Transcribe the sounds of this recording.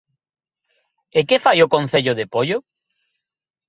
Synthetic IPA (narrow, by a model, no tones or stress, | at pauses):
ekefajʊkõn̟θeʎʊðepoʎʊ